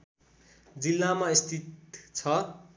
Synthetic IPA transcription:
d͡zilːamaist̪ʰit̪t͡sʰʌ

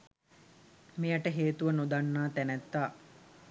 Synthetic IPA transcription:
mijaʈəɦeːt̪uʋənud̪anːaːt̪ænɛt̪ːaː

